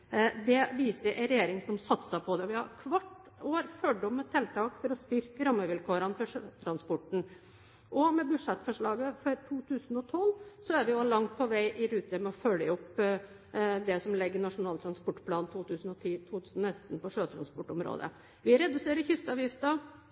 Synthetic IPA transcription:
d̪ɛʋiːsəɾʔɛɪɾɛjeːɾɪŋsɔmsɑt̪səpʰɔd̪ɛʋɪhɑ̰ɾkʰʋɑʈː | oːɾfœɖɔmːɔt̪ʰɛlt̪ʰɑːkfɔɾɔst̪ʏɾkəɾɑmːəʋɪlkʰoːɾənfɔʂøt̪ʰɾɑnspɔʈɳ̩ | ʔɔmɛbʉʂɛt̪ːfɔʂɭɑːɡəfɔɾt̪ʰuːt̪ʰʉːsn̩ɔt̪ʰɔlːsɔæɾʋɪʊɑlɑŋt̪̚pʰɔʋæɪʔɪɾʉːt̪əmɛɔfœlːɪʊp | d̪ɛsɔmlɛɡːənɑʂʊnɑːlt̪ʰɾɑnspɔʈːpʰlɑːnt̪ʰuːt̪ʰʉːsən̩ɔt̪ʰiːt̪ʰuːt̪ʰʉːsnnɛst̪npɔʂøːt̪ʰɾɑ̰nspɔʈːɔmɾo̰ːd̪ə̰ | ʋɪɾɛd̪ʉseːɾəçʏst̪ɑːʋjɪft̪ɑ

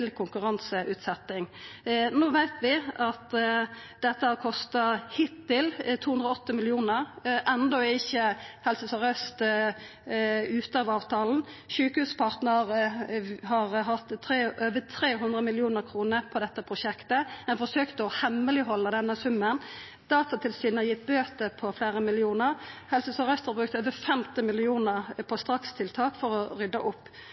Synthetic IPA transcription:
lkʰʊŋkʉɾɑnsəʔʉːt̪sɛt̪ːɪŋnoːʋæɪt̪ʋɪɑt̪ | d̪ɛt̪ːəhɑkʰɔst̪ɑhɪt̪ːɪlt̪ʰuːʉnʁəɔɔt̪ːəmɪlɪuːnəʁʔɛnd̪ɔɪçːəhɛlsəsɔʁœst̪ | ʉːt̪əɑːʋɑːʋt̪ʰɑːln̩ | ʃʉːkəhʉːspʰɑʁt̪nəʁ | hɑʁɦɑt̪ːt̪ʰɾeːʔøːʋət̪ʰɾeːɦʉnd̪ʁəmɪlɪuːnəɾkʰɾuːnəɾpʰɔd̪ɛt̪ːəpʰɾʊʃɛkt̪əɛnfɔʂøːkt̪əɔhɛmːəlɪɦɔlːəd̪ɛnːəsʉmːən | d̪̥ɑːt̪ɑt̪ʰɪlsyːnhɑjɪt̪̚ːbøːt̪əpʰɔfleːɾəmɪlɪuːnəʁhɛlsəsɑʁœst̪hɑɾbʁʉːk̚t̪øːʋəfɛmt̪ɪmɪlɪuːnəʁpʰɔst̪ɾɑkst̪ʰɪlt̪ʰɑːkfɔɾɔɾʏd̪ːɑʔʊpː

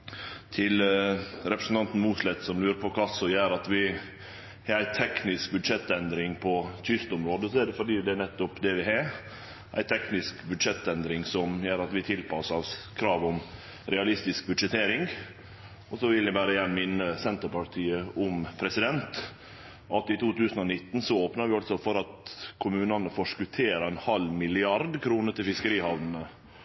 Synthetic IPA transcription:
t̪ʰɪlɾɛpɾəsn̩t̪ɑnt̪n̩muːslɛt̪sɔmlʉːɾəpʰɔkʰɑsɔjøːɾɑt̪ʋɪ | hɑːɾæɪt̪ʰɛknɪsk̚bʉd̪ʂɛt̪ːɛnd̪ɾɪŋpʰɔt̪ʰʏst̪ɔmɾoːd̪əsɔɛɖɛfɔɖiːd̪ɛænɛt̪ːʊpd̪ɛʋɪɦɑ | ʔæ̰ɪt̪ʰɛknɪskbʉd̪ʂɛt̪ːɛnd̪ɾɪŋsɔmjøːɾɑt̪ʋɪt̪ʰɪlpʰɑsɑskʰɾɑːʋɔm | ɾɛɑlɪst̪ɪsk̚bʉd̪ʂɛt̪ʰeːɾɪŋɡ | ɔsɔʋɪlːɪbæːɾəjæːɳmɪnːəsɛnt̪əɾpɑʈ̪ʰiːəʔʊmpʰɾɛsɪd̪ɛnt̪ | ʔɑt̪ɪt̪ʰuːt̪ʉːsənɔnɪt̪ːn̩sɔoːpnɑɾʋɪɑlsɔfɔɾɑt̪kʰʊmʉːnɑnəfɔʂkʉt̪ʰeːɾəɛnhɑlmɪlɪɑɾd̪kʰɾuːnəʈ̪ɪlfɪskəɾiːhɑʋnn̩ə

